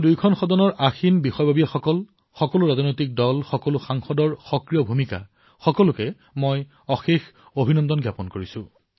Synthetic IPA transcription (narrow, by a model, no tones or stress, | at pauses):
dujkʰɔnxɔdɔnɔɹʔaxinbixɔjbʱabijɛxɔkɔl | xɔkɔlʊɹazɔnojtik̚dɔlxɔkɔlʊxaŋxɔdɔɹxɔkɹijɔbʱumika̰ | xɔkɔlʊkɛ | moj | ɔxex | obʱinɔndɔnɡjapɔnkoɹisʊ̃